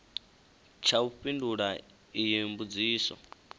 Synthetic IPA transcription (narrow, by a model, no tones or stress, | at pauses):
t͡ʃʰauɸʼinduɺa | ijimbud͡ziːsɔ̰